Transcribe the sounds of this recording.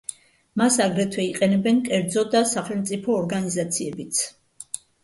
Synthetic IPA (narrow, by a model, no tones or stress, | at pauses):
masaɡɾɛt̪ʰwɛiqʼɛnɛbɛnkʼɛɾd̪zɔd̪asaχɛlmt̪sʼipʰɔːɾɡanizat̪sʰiɛbit̪sʰ